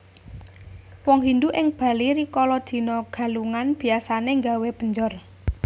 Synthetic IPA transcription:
wɔŋɦind̪uʔɪŋb̥ä̤liɾikɔlɔd̪̥i̤nɔɡ̥a̤luŋanb̥i̤asaneŋɡaweb̥əɲd͡ʒɔr

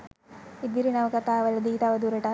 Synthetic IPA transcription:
id̪iɾinɐʋɐkɐt̪aːʋɐlɐd̪iːt̪aʋɐd̪uːɾɐʈa

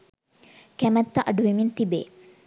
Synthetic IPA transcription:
kæmɛt̪ːɐʔɐɖuʋimint̪ibeː

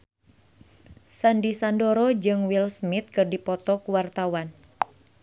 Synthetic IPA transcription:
sandisandoɾɔd͡ʒɨŋwilsmit̪̚kɨrdipɔt̪ɔkuwart̪awan

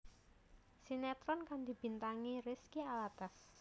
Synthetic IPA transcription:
sinat̪ɾɔnkand̪ib̥int̪aŋirɪskialat̪as

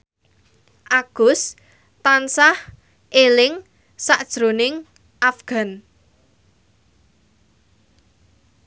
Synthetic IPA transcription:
ʔaɡ̥ʊ̤s | t̪ansah | ʔelɪŋ | saʔd̥ʒ̥ɾo̤nɪŋ | ʔafɡ̥a̤n

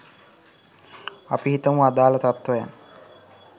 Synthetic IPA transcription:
apiɦit̪əmuad̪aːlət̪at̪ʋɐja̰nːə

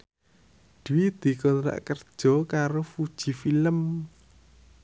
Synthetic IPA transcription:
d̪̥iwid̪̥i̤kɔnɾa̰ʔkərd̥ʒ̥ɔ̤kaɾofud̥ʒ̥i̤filəm

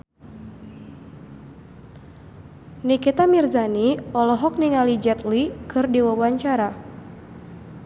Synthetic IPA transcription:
nikit̪amirzaniɔlɔɦɔk̚niŋalid͡ʒɛt̪likɨrdiwawaɲt͡ʃaɾa

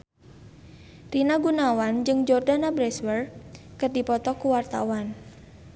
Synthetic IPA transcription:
rinaɡunawand͡ʒɨŋd͡ʒɔrdanabɾɛswərkərdipɔt̪ɔkuwart̪a̰wan

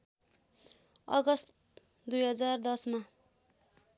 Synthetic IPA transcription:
ʌ̰ɡʌst̪ | d̪ujɦʌd͡zard̪ʌsma

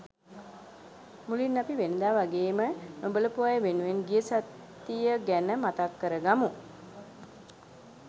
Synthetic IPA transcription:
mulinːapiʋenəd̪aːʋaɡeːmənobələpuʋajʋenuʋenɡijəsat̪ː | ijəɡænəmat̪akːəɾəɡamu

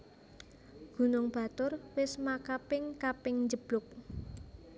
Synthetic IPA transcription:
ɡ̥ṳnʊŋb̥ä̤t̪ʊrwɪsmakapɪŋkapɪŋɲd͡ʒəb̥lʊk̚

